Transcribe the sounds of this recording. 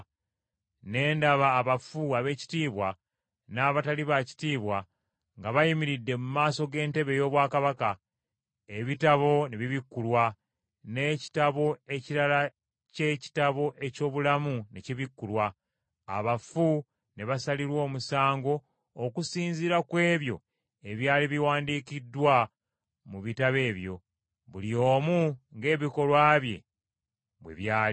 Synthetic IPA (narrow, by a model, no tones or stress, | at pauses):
ne̞ːndaβaːβafuaβe̞ːci̥tiːβwa | naːβataliβaci̥tiːβwa | ŋɡaβajimiɾidːe̞mumaːso̞ɡe̞ːnte̞βe̞jo̞ːβwaːkaβaka | e̞βitaβo̞neβiβikːulwa | ne̞ci̥taβo̞e̞ciɾala | ce̞ci̥taβo̞ʔe̞co̞ːβulamuneciβikːulwa̰ː | βafu | neβasaliɾwo̞ːmusaːŋɡo̞ː | kusiːnziɾakwe̞ːβjo̞ | e̞βjaːliβiwaːndikidːwa | muβitaβe̞ːβjo̞̰ | βulio̞ːmuŋɡe̞ːβiko̞lwaːβje̞̰ | βwḛβjaːi